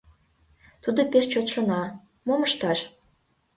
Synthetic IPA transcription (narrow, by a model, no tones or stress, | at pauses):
t̪ud̪opeʃt͡ɕot̪ʃŏnɑ | moməʃt̪ɑʃ